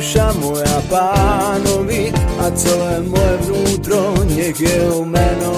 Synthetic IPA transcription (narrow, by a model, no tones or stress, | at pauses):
ʃamoeapːanoviat̪soɛmːoevɾut̪ɾoɲːekeomɛno